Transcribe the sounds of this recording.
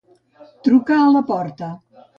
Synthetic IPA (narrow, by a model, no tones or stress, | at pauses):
t̪ɾukaːlɐpɔɾt̪ə